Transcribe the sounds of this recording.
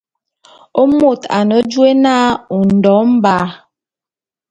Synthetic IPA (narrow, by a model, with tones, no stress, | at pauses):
o˦mo˦˨ta̰˨nə˨˦d͡ʒwe˦naː˦u˨n̩˨dɔ˨˦m̩˦baː˨˦